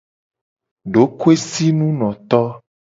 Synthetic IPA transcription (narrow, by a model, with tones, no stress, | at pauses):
ɖo˨˦ku˦e˦si˦nũ˦nɔ̃˨t̪ɔ˦